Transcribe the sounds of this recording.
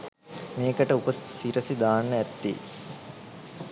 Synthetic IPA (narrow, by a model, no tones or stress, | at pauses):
meːkəʈəupəsːiɾəsid̪aːnːəæt̪ːḭː